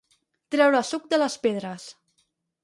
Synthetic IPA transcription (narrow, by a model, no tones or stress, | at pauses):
t̪ɾɛwɾəsuk̚d̪ələspeðɾəs